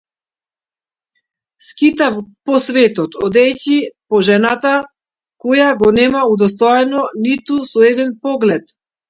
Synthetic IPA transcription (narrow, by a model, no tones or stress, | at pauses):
skit̪afpɔsvɛt̪ɔt̪ɔd̪ɛjcipɔʒɛnat̪a | kojaɡɔnɛmaud̪ɔst̪ɔjɛnɔnit̪usɔɛd̪ɛnpɔɡlɛt̪